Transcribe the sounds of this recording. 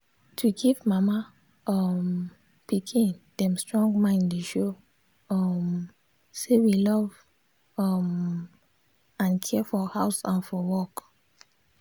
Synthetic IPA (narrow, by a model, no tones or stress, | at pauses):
tʰuɡivmama | ɔm | pikʰĩnd̥ɛ̃mstɹɔ̃ŋɡmãɪ̃ndliʃo | ɔm | sewilɔv | ɔm | ãnkʰɛfɔhaʊsãnfɔwɔk